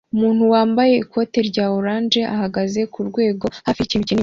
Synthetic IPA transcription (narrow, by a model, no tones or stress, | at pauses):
umuːnhuwaːmbaje̞ikʰo̞ːte̞ɾɟaːoɾaːnd͡ʒe̞ʔahaɡaze̞kuɾɡwe̞ːɡo̞haficiːnucin